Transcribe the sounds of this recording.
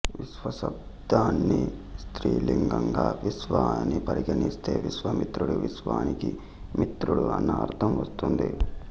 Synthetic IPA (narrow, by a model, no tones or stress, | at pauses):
ʋiʃʋɐsɐb̚ | d̪aːnːist̪ɾiːliŋɡɐŋɡaːʋisʋaːnipɐɾiɡɐnist̪e̞ːʋisʋɐmit̪ɾuɽuʋisʋaːniki | mit̪ɾuɽuɐnːɐːɾt̪ʰɐmʋɐst̪und̪i